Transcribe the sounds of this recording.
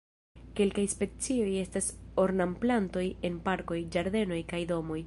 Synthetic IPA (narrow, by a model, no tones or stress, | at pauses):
ke̞lkajspe̞t͡sio̞je̞staso̞ɾnamplanto̞je̞npaɾko̞jd͡ʒaɾd̪e̞no̞jkajdo̞mo̞j